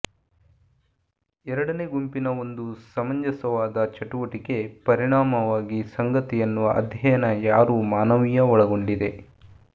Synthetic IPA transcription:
ɛɾɐɽɐne̞ːɡumpinɐo̞nd̪usɐmɐɲd͡ʒɐsɐʋaːd̪ɐt͡ʃɐʈuʋɐʈike̞pɐɾiɳaːmɐʋaːɡisɐŋɡɐt̪ijɐnːuʋɐʔɐd̪ʱjɐjɐnɐjaːɾuːmaːnɐʋijɐɔɭɐɡo̞ɳɖid̪e̞

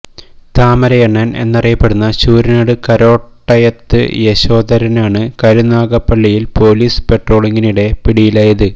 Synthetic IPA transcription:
t̪aːmɐɾɐjɐɳːɐnḛnːɐrijɐpːe̞ɽunːɐɕuːɾinaːɽɨkɐɾo̞ːʈːɐjɐt̪ːɨ̰jeɕo̞ːðɐɾɐnaːɳɨkɐɾunaːɣɐpːɐɭːijilpo̞ːliːsɨ̥pe̞ʈro̞ːɭiŋːiniɽe̞piɽijilaːjɐðɨ

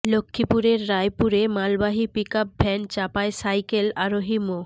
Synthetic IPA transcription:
lokʰːipuɾeɾːajpuɾemalbaɦipikap̚bʱɛnt͡ɕapaesajkelaɾoɦimo

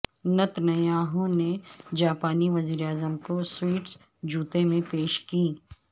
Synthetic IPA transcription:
nɐt̪nɐaːɦõned͡ʒaːpaːniʋɐziːɾaːzəmkoswiːʈs | d͡ʒuːt̪emẽpeːʃkiː

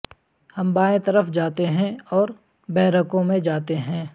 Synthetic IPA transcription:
hɐ̃mbaːẽt̪ɐɾəfd͡ʒaːt̪eɦɛ̃ɔːɾ | bɛːɾəkõmẽd͡ʒaːt̪eɦɛ̃ː

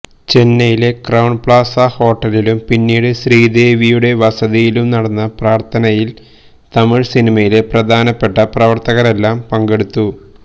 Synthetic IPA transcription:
t͡ɕe̞nːɐjile̞krɐwɳpɭaːsɐho̞ːʈːɐlilumpinːiːɽɨsriːd̪eːʋijuɽe̞ʋɐsɐðijilumnɐɽɐnːɐpraːrt̪ʰɐnɐjil | t̪ɐmiɻsinimɐjile̞prɐd̪ʱaːnɐpːe̞ʈːɐprɐʋɐrt̪ɐɣɐre̞lːaːmpɐŋɡe̞ɽut̪ːu

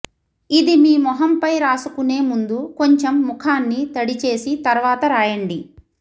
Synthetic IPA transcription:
id̪imiːmɔɦɐmpɐjɾaːsukune̞ːmund̪uko̞ɲt͡ʃemːukʰaːnːit̪ɐɽit͡ʃe̞ːsit̪ɐɾʋaːt̪ɐɾaːjɐɳɖi

